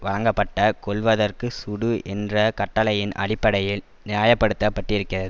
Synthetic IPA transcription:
ʋɐɭɐŋɡɐpːɐʈːɐkɔɭʋɐðɐrkɯsʊɽɯʔɛndrɐkɐʈːɐlɐjɪnʔɐ̰ɽɪpːɐɽɐjɪl | nɪaːjɐpːɐɽɯt̪ːɐpːɐʈːriɪɾɯkːɪrɐðɯ

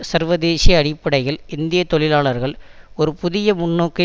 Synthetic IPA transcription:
sɐɾʋɐðeːsijɐɐɽɪpːɐɽɐɪɣɐɭɪnd̪ɪjɐt̪ːɔɭɪlaːɭɐɾɣɐɭ | ɔɾɯpʊðɪjɐmʊɳːoːkːɐ

